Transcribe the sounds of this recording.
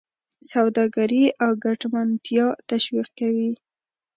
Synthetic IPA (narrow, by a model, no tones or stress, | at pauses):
sawd̪ɑɡaɾiʔawɡaʈmant̪jɑt̪aʃwiq̚kawi